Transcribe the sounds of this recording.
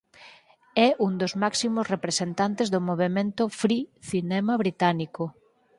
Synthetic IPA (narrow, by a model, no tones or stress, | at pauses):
ɛʔund̪ozmaksimosrepɾesent̪ant̪ezðomoβ̞emẽnt̪ʊfɾiθinɛmaβɾit̪aniko